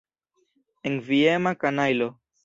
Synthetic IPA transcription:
eŋviemakanajlo

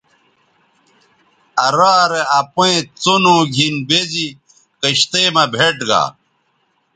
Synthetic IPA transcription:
ɐɾaːɾeɐpoẽt͡sonõːɡʱinbezi | kəɕt̪eːmɐbʱeʈɡa̰ː

